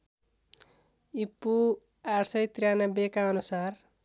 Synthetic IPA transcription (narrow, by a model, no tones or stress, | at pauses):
ipːu | arsʌjt̪rjanʌbekaʌnusar